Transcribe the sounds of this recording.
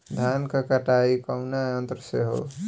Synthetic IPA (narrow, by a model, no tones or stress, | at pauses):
d̪ʱaːnkakɐʈaːikəʊnaənt̪ɾəseɦo̰